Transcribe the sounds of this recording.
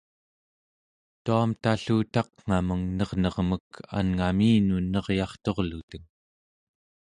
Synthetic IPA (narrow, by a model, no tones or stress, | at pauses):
t̪uamt̪aɬuːt̪ɑqŋ̥aməŋnʌʁnʌʁməka̰nŋamiːnunʌʁjɑχt̪o̞ʁlut̪əŋ